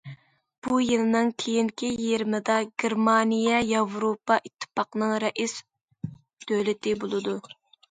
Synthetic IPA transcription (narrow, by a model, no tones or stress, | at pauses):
b̥ujelˠɨnɨŋkʲʰejiŋkʲijeɾmɪd̪ɑɡʲeɾmɑnijɑjɑvɾopɑʔit̪ʰːɨ̥pɑqnɨŋɾɛʔis | d̪̥ølɪt̪ʰɪbolˠɨd̪u